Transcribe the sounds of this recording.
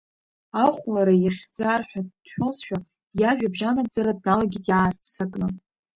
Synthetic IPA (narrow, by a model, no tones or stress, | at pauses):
aχʷlaɾajaχʲd͡zarħʷᶣad̥ħʷᶣolsʃᶣa | jaʒᶣabʒanad͡zaɾad̚nalaɡʲitʼjaːrt͡sʰt͡sʰakʼnɨ